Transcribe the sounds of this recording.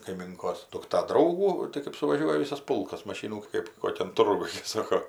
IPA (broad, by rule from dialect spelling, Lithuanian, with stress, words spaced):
kɐɪˈmʲɪŋkoːs dʊkˈtɐ ˈdrɐʊɡuː tɐɪ kɜp sʊʋɐˈʒʲuɔjɛ ˈʋʲɪsɐs ˈpʊlˠkɐs mɐˈʃʲiːnuː ˈkɜp ˈkoːkʲɛn ˈtʊrɡʊj ˈsɑːkoː